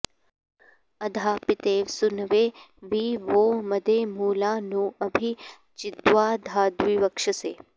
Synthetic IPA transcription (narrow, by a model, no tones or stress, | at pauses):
ɐd̪ʱaːpit̪eːʋsʊnʋeː | ʋiʋoməd̪emuːlaːnũɐbʱi | t͡ʃɪd̪ʋaːd̪ʱaːd̪ʋiʋɐkʂəseː